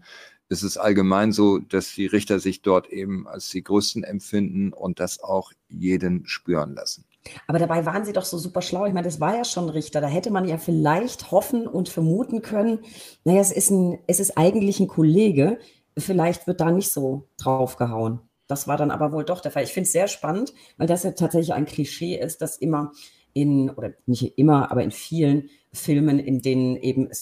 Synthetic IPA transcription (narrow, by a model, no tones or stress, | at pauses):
ʔɛstɛstʔa̰lɡəmaɪnzoːd̥asd̥iːʁɪçtɐzɪçd̥ɔɐtʰʔeːbm̩a̰lsd̥iːɡʁøːstn̩ɛ̰mfɪndn̩ʊ̰nt̚d̥asa̰ʊx | jeːdənʃpyːʁənla̰sn̩ | ʔaːbɐɾabaɪvaːʁənziːdɔχz̥oːzuːpɐʃlaʊɪçmaɪndasv̥aːɐjaːʃoːnʁɪçtɐdaːɦɛtəmanjaːfɪlaɪçthɔfn̩ʔʊntfɛɐmuːtn̩kʰœnənnajaːɛsɪstn̩ɛsɪstʔaɪɡŋ̩tlɪçn̩kʰɔleːɡə | fɪlaɪçtv̥ɪɐt̚d̥aːnɪçtz̥oːd̥ʁaʊfɡ̥əɦaʊən | d̥asv̥a̰ːɐɾanʔa̰ːbɐvoːldɔχd̥eːɐfalɪçfɪntsz̥eːɐʃpanənt | vaɪldasjaːtʰaːtz̥ɛçlɪça̰ɪnkʰl̥iʃeːʔɪst̚d̥asʔɪmɐ | ʔɪnʔoːdɐnɪçtʔɪmɐʔa̰ːbɐʔɪ̰nfiːlən | fɪlmənɪ̰ndeːnənʔeːbm̩ɛs